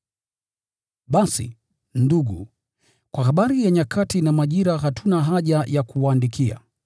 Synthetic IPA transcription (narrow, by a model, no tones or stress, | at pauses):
ɓasḭ | nduɠṵ | kwaɦaɓaɾijaɲakʰatinamaʄiɾaɦatʰunaɦaʄajakuwaːndikʰia̰